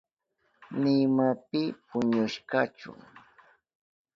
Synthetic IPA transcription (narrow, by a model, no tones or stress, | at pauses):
nɪmapɪpʊɲʊʃkat͡ʃʊ̰ŋ